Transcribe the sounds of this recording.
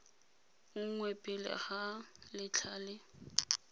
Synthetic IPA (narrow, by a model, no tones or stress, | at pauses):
ŋʊŋ̩ŋwepʼɪlɪ̰χalɪt͡ɬʰaːlɪ